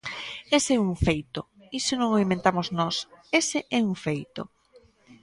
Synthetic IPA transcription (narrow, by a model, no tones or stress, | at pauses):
esɪɛuŋfejt̪o | isɪnõŋoimẽnt̪amoznɔsesɪʔɛuŋfejt̪o̰